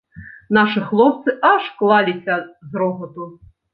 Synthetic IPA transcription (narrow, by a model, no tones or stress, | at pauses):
nɑʃɨxlˠɔp̚t̪sɨʔɐʃklˠɑlʲit͡sʲːɐzɾɔɦɔt̪ʊ